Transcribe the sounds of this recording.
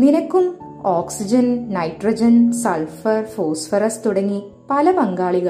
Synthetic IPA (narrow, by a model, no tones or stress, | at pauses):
ninɐkːum | oːksid͡ʑɐnnɐjʈrɐd͡ʑɐnsɐlfɐrfoːsfɐɾɐst̪uɽɐŋːi | pɐlɐpɐŋɡaːɭiɣɐɭ